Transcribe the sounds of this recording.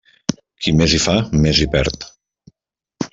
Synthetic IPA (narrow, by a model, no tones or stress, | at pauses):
kʰimezifamezipɛɾt̪